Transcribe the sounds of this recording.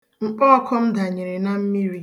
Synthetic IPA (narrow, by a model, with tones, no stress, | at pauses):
ŋ͡m̩˨k͡pɔ˦ɔ˦kʰɔ˦m̩˦da˨ɲe˨ɾe˨na˦m̩˦mi˦ɾi˦